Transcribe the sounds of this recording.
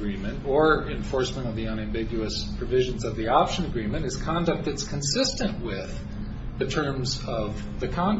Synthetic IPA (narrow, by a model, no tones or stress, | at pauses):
ɹĩmɨ̃ntə˞ɨ̃ɱfɔɹsmə̃ñʌvðiə̃ñæ̃mbɪɡjʉɨspʰɹ̥ɨvɪʒɨ̃nzʌvðiɑpʃɨ̃nɨɡɹĩmɨ̃ñɨz̥kʰɑ̃ndɨk̚t̪̚ðɨtskʰɨ̃nsɪstɨ̃nʔwɪð | ɨtʰɜ̃˞mzʌv | ðɨkʰɑ̃n